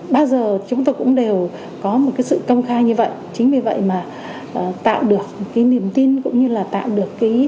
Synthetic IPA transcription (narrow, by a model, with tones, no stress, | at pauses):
ɓaː˧wzəː˨˩t͡ɕʊ˨˦ŋ͡mt̪o˧jkʊ̰˧˥ŋ͡mɗe˨˩w | kɔ˨˦mo˨˩t̚kaː˨˦jsɨ̰˧˨kə˧wŋ͡mxaː˧jɲɨ˧və̰˧˨jt͡ɕï˨˦ŋ̟vi˨˩və̰˧˨jmaː˨˩ | ʔːt̪a̰ː˧˨wɗɨ˨˩ək̚kːaː˨˦jni˨˩əmt̪i˧nkʊ̰˧˥ŋ͡mɲɨ˧laː˨˩t̪a̰ː˧˨wɗɨ˨˩əkːaː˨˦j